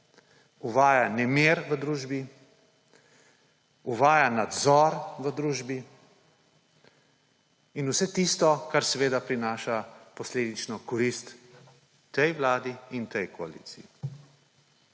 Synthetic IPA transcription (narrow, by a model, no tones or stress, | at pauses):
uʋaːjanɛmeɾʋəd̪ɾuːʒbi | uʋaːjanad̪zɔɾʋəd̪ɾuːʒbi | inusɛt̪ist̪ɔkaɾsɛʋeːd̪apɾinaːʃapɔsleːd̪it͡ʃnɔkɔɾist̪ː | ɛjʋlaːd̪iint̪ɛjkɔalḭt̪siji